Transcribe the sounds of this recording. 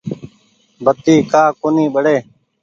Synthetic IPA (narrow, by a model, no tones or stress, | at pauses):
bət̪iːkaːkoːnĩːɓəɽeː